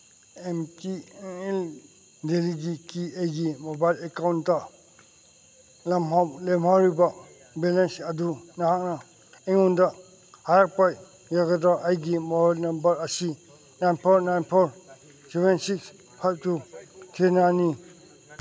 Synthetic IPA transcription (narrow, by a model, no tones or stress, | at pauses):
emtiel | deliɡikiejɡimobajlekawntːɐ | lɐmɦawlemɦawɾibɐ | belensɐdunaɦak̚na | eŋundɐ | haɾak̚paj | jaɡadaʔajɡimobajlnɐmbɐɾɐsi | najnpʰɔɾnajnpʰoɾ | sebensiks | pʰajb̚tutʰenajni